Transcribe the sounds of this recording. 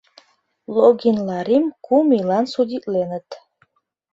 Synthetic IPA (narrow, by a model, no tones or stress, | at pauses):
lˠoɡʲinlˠaɾimkʰumilˠansud̪ʲit̪ʼlenət̪ʰ